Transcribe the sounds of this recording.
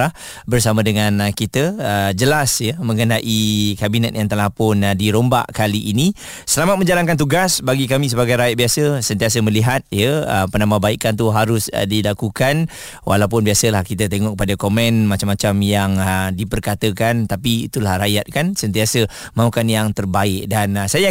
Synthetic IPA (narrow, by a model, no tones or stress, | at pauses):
ah | bərsamãdəŋankit̪əəd͡ʒəlasjəmə̃ŋənaʔikabinɛt̪̚jaŋt̪əlahpʊndiɾomba̰ʔkaliʔːni | səlamat̪̚mə̃ɲd͡ʒalankant̪̬uɡasbaɡikamĩsəbaɡajɾajat̪̚biasəsənt̪ias̬əmə̃liɦat̪̚jəə̰pənamabaikant̪̬uɦaɾʊsdilakukan | wʔa̰lawp̬ʊnbiasəlahkit̪ət̪eŋɔʔkːə̥padakomɛ̃nmat͡ʃamːat͡ʃamjaŋədipərkat̪əkant̪apḭːt̪ulahrajat̪̚kansənt̪iasə | mãukanjaŋt̪ərbaɪk̚dansaja